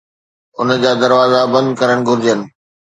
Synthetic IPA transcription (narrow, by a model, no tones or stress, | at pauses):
ʊnə̆d͡ʑaːd̪ɐɾʋaːzabɐ̃nd̪kɐɾəɽ̃ɡʱʊɾd͡ʑjənɪ̆